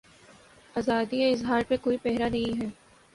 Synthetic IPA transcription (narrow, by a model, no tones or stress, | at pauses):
aːzaːd̪ieɪzɦaːɾpekoːipɛɦɾanɐɦĩɦɛː